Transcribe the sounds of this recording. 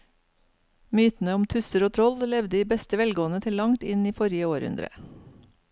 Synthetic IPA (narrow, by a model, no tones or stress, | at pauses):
myːt̪n̩əʊmt̪ʰʉsəɾoːt̪ʰɾɔllɛʋd̪əiːbɛst̪əʋɛlɡoːnət̪ʰɪlːɑŋt̪ɪniːfɔɾɪəoːɾʉ̰nd̪ɾə̰